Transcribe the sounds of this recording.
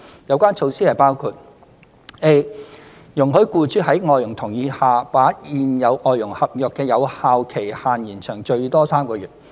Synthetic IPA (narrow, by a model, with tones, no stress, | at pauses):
jɐ˨˧wkʷaː˥nt͡ʃʰo˧wsiː˥hɐ˨jpaː˥wkʰuː˧t̚ | ʔe˥ | jʊ˨˩ŋɦɵ˨˥ɥkuː˧t͡ʃyː˨˥hɐ˨˥jŋɔː˨˧jʊ˨˩ŋt̪ʰʊ˨˩ŋjiː˨˧haː˨paː˨˥t̚jiː˨njɐ˨˧wʔɔː˨˧jʊ˨˩ŋhɐ˨p̚jœː˨kːɛː˧jɐ˨˧whaː˨˧wkʰe˨˩jhaː˨njiː˨˩nt͡ʃʰœː˨˩ŋt͡ʃɵ˧ɥt̪ɔː˥saː˥mkɔː˧jyː˨˩t̚